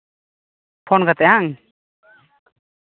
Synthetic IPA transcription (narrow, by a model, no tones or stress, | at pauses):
pʰɔnɡat̪ɛʔaŋ